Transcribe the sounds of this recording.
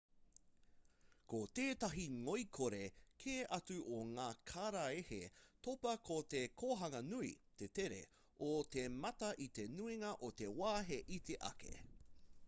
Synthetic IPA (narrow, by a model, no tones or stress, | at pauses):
kot̪eːt̪ɐɦiŋoikʰoɾekʰeːʔɐtʉʔoŋaːkʰaːɾaehḛt̪opɐkʰot̪ekʰoɦɐŋɐnuḭt̪eteɾḛ | ot̪emɐtɐʔit̪enuiŋɐʔot̪ewaːɦeʔit̪ʰeʔɐ̰kʰḛ